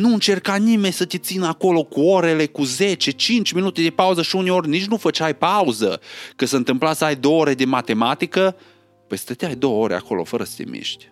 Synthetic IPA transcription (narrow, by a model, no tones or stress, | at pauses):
nuɨnt͡ʃe̞rkanime̞nʲsət̪et̪sinəako̞lo̞kuo̞ɾe̞le̞kuze̞t͡ʃe̞t͡ʃint͡ʃʲminut̪e̞d̪e̞pauzəʃiuneo̞rʲnit͡ʃʲnufət͡ʃʲajpauzə̰kəsəɨnt̪ɨmplasajd̪owoɾe̞d̪e̞mat̪e̞mat̪ikə | pejsə̥t̪et̪eajd̪o̞wəo̞ɾea̰ko̞lo̞̰fəɾəsə̥t̪e̞̰mḭʃt̪ʲ